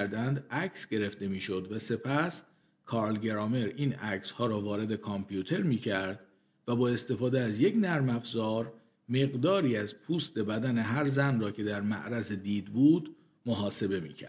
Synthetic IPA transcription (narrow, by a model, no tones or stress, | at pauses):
ɾd̪ænd̪æcʰsɟe̞ɾe̞fd̪e̞miːʃo̞d̪væse̞pʰæs | kʰɒːɾlɟe̞ɾɒːme̞ɾiːnæcshɒːɾɒːvɒːɾe̞d̪e̞kʰɒmpʰjut̪ʰe̞ɾmiːcʰæɾd̪̥ | væbɒːe̞st̪e̞fɒːd̪eæzje̞cnæɾmæfzɒːɾ | me̞ɣd̪ɒːɾiːæzpʰuːst̪e̞bæd̪æne̞ɦæɾzænrɒːcʰe̞d̪æɾmæ̰ʔɾæzed̪iːd̪buːd̪ | moɦɒːse̞be̞mḭːcʰæ̰ɾ